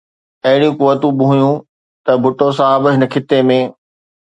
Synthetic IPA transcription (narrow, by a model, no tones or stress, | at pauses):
ɐɦɪɽijũkʊʋət̪ũɓɪɦũjũ | t̪ɐbʱʊʈosãbɪ̆ɦɪnəkʰɪt̪ːemẽː